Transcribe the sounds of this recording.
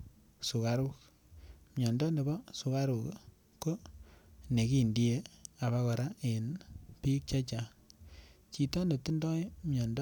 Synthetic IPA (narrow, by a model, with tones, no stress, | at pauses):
su˨ka˨ɾu˦k | mjɔ˨ndɔ˦ne˨bɔ˦su˨ka˦ɾu˨k | ko˦ | ne˨ki˦˨ndi˦e˦a˨βa˧kɔ˨ɾa˦ʔe˨npi˦k̚t͡ʃa˦t͡ʃa˨ | t͡ʃi˨tɔ˦ne˨tu˦ndɔ˦jmjɔ˨nd